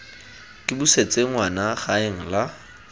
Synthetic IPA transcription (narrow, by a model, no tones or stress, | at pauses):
kʼɪbuset͡sʼeŋ̩wanaχaeŋ̩la